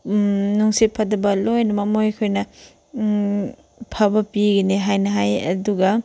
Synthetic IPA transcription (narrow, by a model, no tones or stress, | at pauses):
nuŋsipʰɐdɐbɐlojnɐmɐmojkʰojnɐ | pʰɐbɐpiɡɐneɦajnɐɦajɐ̰duɡɐ